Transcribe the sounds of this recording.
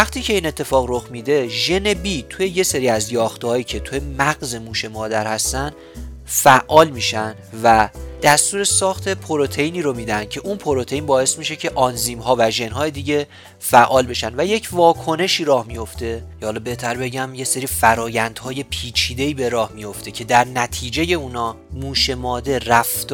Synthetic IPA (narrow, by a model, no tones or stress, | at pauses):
æχt̪ʰiːcʰe̞iːnet̪ʰːe̞fɒːɣro̞xmid̪e̞ʒe̞ne̞biːt̪ʰuje̞je̞se̞ɾiːæzjɒːxt̪ehɒːjiːcʰe̞t̪ʰuje̞mæɣze̞muːʃe̞mɒːd̪æɾhæst̪ænd̪ | fæʔʔːɒːlmiːʃænd̪væd̪̥æst̪uːɾe̞sɒːxt̪ʰe̞pʰo̞ɾo̞t̪ʰejniːɾo̞miːd̪ænd̪̥̚cʰe̞ʔunpʰo̞ɾo̞t̪ʰeiːnbɒːe̞smiʃe̞cʰe̞ʔɒnziːmɦɒːvæʒe̞nɦɒːje̞d̪iːɟe̞ | fæʔːɒːlbe̞ʃænd̪væje̞cʰvɒːkʰo̞ne̞ʃiːɾɒːhmijo̞ft̪e̞cʰehɒːlɒbe̞ht̪ʰæɾbe̞ɟæmje̞seɾiːfæɾɒːjænd̪̥hɒːje̞pʰiːt͡ʃʰiːd̪e̞iːbe̞ɾɒːhmijo̞ft̪e̞cʰe̞d̪æɾnæt̪ʰiːd͡ʒe̞je̞uːnɒː | muːʃe̞mɒːd̪e̞ræft̪